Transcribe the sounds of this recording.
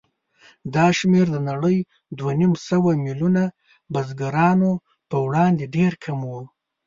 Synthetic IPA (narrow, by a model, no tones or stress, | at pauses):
d̪ɑʃmeɾd̪ənaɽəj | d̪wanimsəwamiluna | bazɡaɾɑno | pəwɽɑnd̪eɖeɾkʰamwu